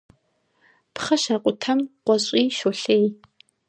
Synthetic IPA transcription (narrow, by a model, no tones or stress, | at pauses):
pχɐʃɐqʷʼʊtʰɐmqʷɔɕʷʼiːʃoɬej